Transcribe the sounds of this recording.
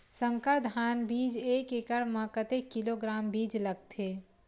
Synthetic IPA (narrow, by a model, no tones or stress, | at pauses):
sə̃ŋkəɾd̪ʱaːnbiːd͡ʒeːkekəɽmãkət̪ekːiloɡɾaːmbiːd͡ʒləɡt̪ʰeː